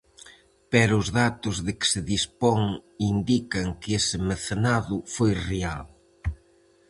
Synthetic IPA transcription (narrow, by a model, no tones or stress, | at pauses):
pɛɾʊʊzðat̪ʊzðɪkɪ̥sɪðispoŋind̪ikɐŋkesɪmeθenaðʊfojreal